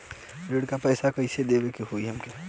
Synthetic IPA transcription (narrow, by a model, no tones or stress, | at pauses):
ɾeːɖkapɛːsakəised̪eːbekeɦoːiɦɐmke